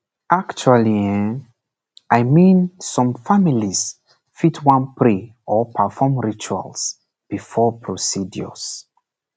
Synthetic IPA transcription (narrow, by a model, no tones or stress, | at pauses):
ʔakt͡ʃualiɛ̃ | ʔajmĩnsɔ̃mfamilis | fitʰwãnpɹi | ɔpʰəfɔmɹit͡ʃua̰ls | b̥ifɔpʰɹosidjɔ̰s